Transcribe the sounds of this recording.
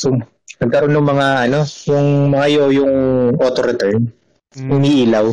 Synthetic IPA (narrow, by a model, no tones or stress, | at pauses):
so | nɐɡ̚kɐɾo̞nːʊŋmɐŋaʔɐno̞jʊŋmɐŋɐjojʊŋʔoːt̪oɾɛt̪ɛɹn | hʊmiːʔiːlaw